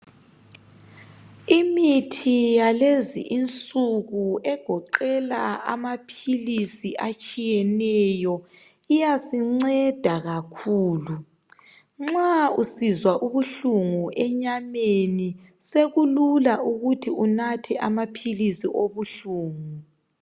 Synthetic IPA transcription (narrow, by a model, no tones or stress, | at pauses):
imitʰijalezḭʔint͡sʼuɣuɛɡ̥ʱɔǃɛlaa̰mapʰilisiʔat͡ʃʼijɛnɛjɔ | ijasiŋ͡ǀɛd̥ʱaɣakʰuːlu | ŋ͡ǁausizwaʔuβuɬuŋuʔɛɲameni | seɣululauɣutʰiunatʰɛʔamapʰilisiʔoβuɬuːŋu